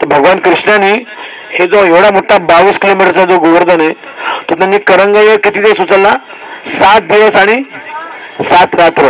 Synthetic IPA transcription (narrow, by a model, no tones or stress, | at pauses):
t̪əɾbʱəɡʋankɾiʂɳani | hed͡zoɦeʋɽamoʈʰːabaʋiːskilomiʈəɾt͡sad͡zoɡoʋəɾd̪ənaj | t̪əɾt̪anːikəɾəŋɡajəɾkit̪iːt̪esut͡səlːa | sat̪̚d̪iʋəsaɽ̃i | sat̪ɾat̪ɾə